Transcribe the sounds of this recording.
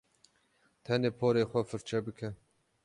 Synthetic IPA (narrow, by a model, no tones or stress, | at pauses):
t̪ʰɛneːpʰoːɾeːxʷɛfɨɾt͡ʃʰɛbɨkʰɛ